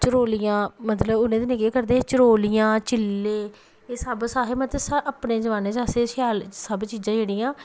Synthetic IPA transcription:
t͡ʃəɾoːlɪjãːmət̪ləbʊnẽːd̪enɪkeːkəɾd̪eːt͡ʃəɾoːlɪjãːt͡ʃɪlːeː | eːsəbsaːɦeːmət̪əsəpneːzəʋaːnẽːd͡ʒaːseːsjaːlsəbt͡ʃiːzãːd͡ʒeːɽiːãː

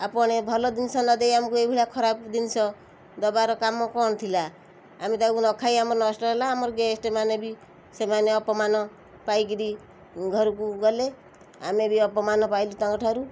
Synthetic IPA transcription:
apɔɽ̃ebʱɔlɔd̪insɔnɔd̪ejamkuebʱiɽakʰɔɾapd̪insɔ | d̪ɔbaɾɔkamɔkɔnɔt̪ʰilaː | met̪akunɔkʰajamɔɾɔnɔsʈɔɾelaːmɔɾɔɡesʈemanebʱi | semaneɔpɔmanɔ | pajkiɾi | ɡʱɔɾuk̬uɡɔle | amebʱiɔpɔmanɔpajlut̪aŋɡɔʈʰaɾu

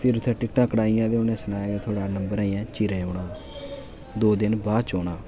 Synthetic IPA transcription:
pʰɪɾʊt̪ʰɛ̃ːʈɪk̚ʈãːkːɽaːijãːd̪eːʊnɛ̃ːsənaːaːɡeːt̪ʰoːɽaːnəmbəɾaːiːɛ̃ːt͡ʃiɾẽːoːɽãː | d̪oːd̪ɪnbaːd̪t͡ʃoːɽaː

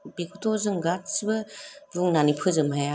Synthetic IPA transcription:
bekʰutʰɔzɯŋɡat̚sibɯɾuŋnanipʰɯzɯmɦaja

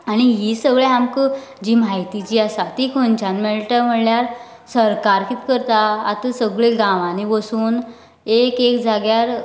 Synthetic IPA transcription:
aɽ̃iɦisəɡɭeɦamkəd͡ʑiːmaɦjt̪it͡ɕiːasat̪ikʰont͡ɕãnmeɭʈ̪əm̤əɽljaɾ | səɾkaɾkit̪kəɾt̪aa̰t̪əsəɡɭeɡãʋãniʋəsuːn | ekekd͡zʱaɡjaɾ

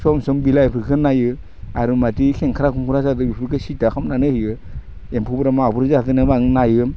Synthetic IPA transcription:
sɔmsɔmbilajpʰɯɾkʰɯnajɯ | aɾumatikʰeŋkʰaɾakʰumkuɾazadɯbipʰɯkʰɯsitakʰamnanɯhijɯ | empʰubɾamaːbuɾzatɯnɯbaŋnajɯm

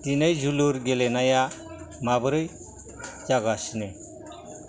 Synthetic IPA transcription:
tinejzuluɾɡelenaja | mabɯɾɯj | zaɡasne

